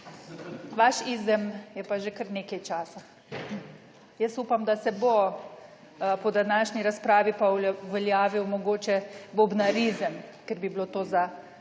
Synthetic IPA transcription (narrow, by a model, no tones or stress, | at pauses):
ʋaʃiːzɛmjɛpaʒekəɾneːkɛjt͡ʃaːsa | jəsupamd̪asɛbo | pɔd̪anaʃniɾaspɾaːʋipaʋɛljaːʋiwmɔɡoːt͡ʃɛbobnaɾizɛmkɛɾbiblot̪oːza